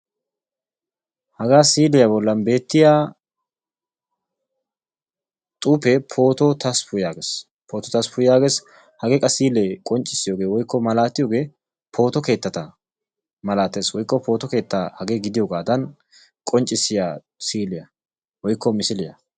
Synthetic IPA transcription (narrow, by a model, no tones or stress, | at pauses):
hɐɡaːsiːlɪjɐbɔlːɐnbe̞ːt̪ːɪjaː | t̪ʼuːpɛpʰo̞ːt̪ɔt̪ʰɐspʰʊjjaːɡe̞ːs | pʰoːt̪ɔt̪ɐspʊjɪjaːɡe̞ːs | hɐɡekʼɐsiːlɛkʼɔnt͡ʃʼːɪsːɪjoːɡe̞ːwɔjkːɔmɐlaːt̪ːɪjoːɡe̞ː | pʰo̞ːt̪ɔke̞ːt̪ːɐt̪ɐ | mɐlaːt̪ːe̞ːswɔjkːɔpʰo̞ːt̪ɔke̞ːt̪ːahɐɡe̞ːɡɪd̪ɪjoːɡaːd̪ɐn | kʼɔnt͡ʃʼːɪsːɪjaː | siːlɪjɐ | wɔjkːɔmɪsɪlɪjɐ̰